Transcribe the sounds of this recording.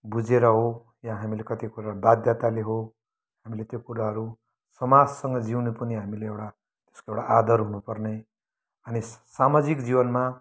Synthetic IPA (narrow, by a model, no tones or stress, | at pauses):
bud͡zeɾʌɦo | jãɦamilekʌt̪ikuɾabad̪ʱjat̪aleɦo | hamilet̪jokuɾaɦʌɾu | sʌmad͡zsʌŋɡʌd͡ziwnepʌniɦamileewɽa | t̪e̥skoewɽaʔad̪ʌrɦunupʌrne | ʌnisamad͡zikd͡zibʌnma